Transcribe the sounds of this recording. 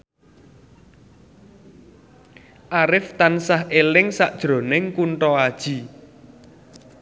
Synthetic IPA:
ʔaɾɪft̪ansahelɪŋsaʔd̥ʒ̥ɾo̤nɪŋkuɳʈɔad̥ʒ̥i̤

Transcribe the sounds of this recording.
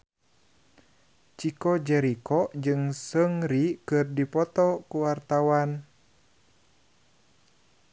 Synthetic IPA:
t͡ʃikɔd͡ʒɛɾikɔd͡ʒɨŋsəŋɾikɨrdipɔt̪ɔkuwart̪awan

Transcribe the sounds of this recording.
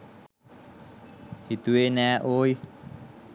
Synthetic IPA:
hid̪̥uwenɛʔoj

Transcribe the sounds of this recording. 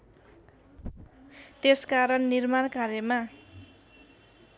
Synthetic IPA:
t̪eskaɾʌnːirmankaɾjʌma

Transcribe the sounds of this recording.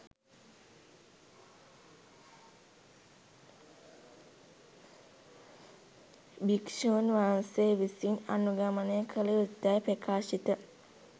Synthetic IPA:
bikʂoːnʋaːnseʋisina̰nuɡamənəjəkʰəleut̪ːajpɾəkʰaːʃit̪ə

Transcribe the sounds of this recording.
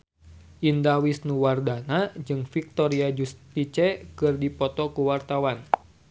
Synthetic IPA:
ʔindawisnuwardanad͡ʒɨŋfik̚t̪ɔɾiad͡ʒust̪it͡ʃɛkɨrdipɔt̪ɔkuwart̪awan

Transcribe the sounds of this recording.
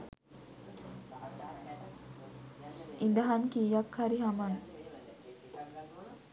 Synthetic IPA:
ind̪əɦankiːjakhaɾiɦaman

